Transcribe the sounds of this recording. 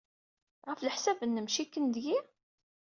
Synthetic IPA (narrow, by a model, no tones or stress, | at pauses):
ʁəfləħsævənːəmʃikːənd̪ji